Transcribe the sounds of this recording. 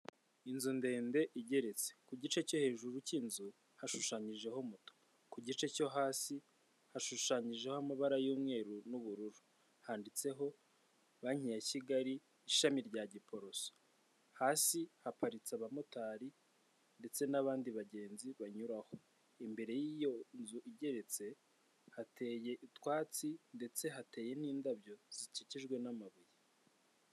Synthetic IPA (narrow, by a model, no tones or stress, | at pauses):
inzunde̞ːnde̞ʔiɟe̞ɾe̞t͡se̥kuɟit͡ʃe̞co̞he̞ːʒuɾucinzu | haʃuʃaːɲiʒe̞ɦomuto̥ | kuɟit͡ʃe̞co̞ɦaːsi | haʃuʃaːɲiʒe̞hoamaβaɾajuːmŋe̞ːɾunuβuɾuɾu | haːndit͡se̞ɦo̞ | βaɲijaciɡaɾiː | ʃamiɾɟaɟipo̞ɾo̞so̥ | haːsihapaɾit͡saβamotaːɾi | nde̞t͡se̞naβaːndiβaɟe̞ːnziβaɲuɾaho | imbe̞ɾe̞jijo̞nzuʔiɟe̞ɾe̞t͡se̞ | hatʰe̞ːje̞ʔitwaːt͡sinde̞t͡se̞ɦate̞ːje̞n̥iːndabjo̞z̥iciciʒɡwe̞namaβiji